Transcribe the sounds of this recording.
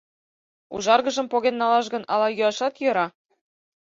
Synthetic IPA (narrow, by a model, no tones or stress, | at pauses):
ṵʒɑrɣɤ̆ʒɤ̆mpoɣenːɑlɑʃɡɤ̆nʔɑlˠɑjuɑʃɑt̪jɤ̆ɾɑ